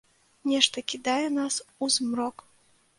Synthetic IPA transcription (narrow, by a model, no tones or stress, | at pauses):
nʲɛʂt̪ɐkʲid̪ajɛnasuzmɾɔk